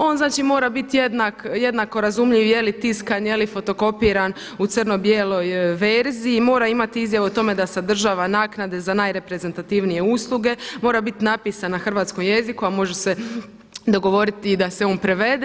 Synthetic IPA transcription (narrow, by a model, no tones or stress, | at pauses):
o̞ːnznaːt͡ʃimo̞ːɾabit̪jed̪nakjed̪nako̞ɾazumʎiʋje̞lit̪iskanjelifo̞t̪o̞ko̞piːɾan | ut̪sərno̞bjelo̞jʋeɾziːmo̞ːɾaimat̪iizjaʋeot̪o̞me̞d̪asad̪r̩ʒaːʋanaːknad̪e̞zanajɾe̞pɾe̞ze̞nt̪at̪iʋnije̞uslˠuɡe̞mo̞ːɾabit̪napiːsanaxr̩ʋaːt̪sko̞mje̞zikuamo̞ʒese̞ | d̪o̞ɡo̞ʋo̞ɾit̪id̪ase̞o̞ːnpɾe̞ʋe̞d̪e